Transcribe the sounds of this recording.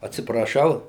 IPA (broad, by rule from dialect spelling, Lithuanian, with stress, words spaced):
ɐtʲsʲɪprɐˈʃɐʊ